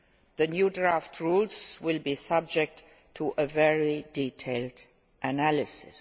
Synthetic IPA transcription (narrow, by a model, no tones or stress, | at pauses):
ðənjudɹaftʰɹulzwɪlˠbisʌb̚d͡ʒɛk̚tʰː | uʔəvɛɹiditʰeɪld | ʔənælɪsɪ̰s